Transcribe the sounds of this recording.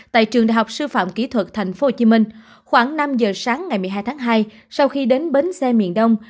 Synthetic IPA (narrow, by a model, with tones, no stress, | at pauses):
t̪a̰ː˧˨jt͡ɕɨ˨˩əŋɗa̰ː˨jɦa˨˩k͡p̚sɨ˧fa̰ː˧˨mki˧˥t̪ʰwə˨˩t̚t̪ʰa˨˩jŋ̟fo˦˥ho˧˩t͡ɕi˨˦mï˧ŋ̟ | xwaː˧˩ŋna˧mzəː˨˩saː˨˦ŋːa˨˩jmɨ˨˩ɦaː˧jt̪ʰaː˨˦ŋɦaː˧j | sa˧wxi˧ɗe˨˦nɓe˨˦nsɛ˧mḭ˧˨ənɗə˧wŋ͡m